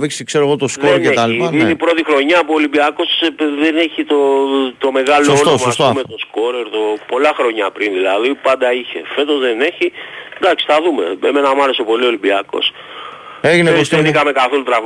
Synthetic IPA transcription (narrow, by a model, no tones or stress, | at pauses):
vikskseɾoɣot̪oskoeket̪ɐliɐninepɾo̞t̪ixɾo̞ɲɐːpuolibiɐko̞sðene̞çit̪ot̪o̞me̞ɣɐlosonosmɐst̪oumet̪o̞sko̞ɾeɾðopo̞lɐxɾo̞ɲɐpɾinðilɐðipɐnd̪ɐiçe̞̰fe̞t̪o̞zðe̞ne̞çid̪ɐksi̥θɐðume̞̰eme̞nɐmɐɾe̞sepo̞lio̞libiɐko̞̰s | eʝineosenikɐmekaθo̞lut̪ɾɐv